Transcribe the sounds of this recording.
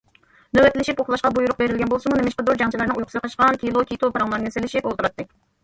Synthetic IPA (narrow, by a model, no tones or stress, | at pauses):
nøwɛt̪ɪlɪʃipoχlˠɑʃqɑbujuɾʊq̚beɾɪlɡʲɛnbolˠsɨmunemɪʃqəd̪oɾd͡ʒɑŋt͡ʃʰilˠɨɾnɨŋujqʰʊsqɑʃqɑnkʲilˠokʲʰit̪opɑɾɑmlˠɑɾɨselɪʃipolˠt̪uɾɑt̪ːɨ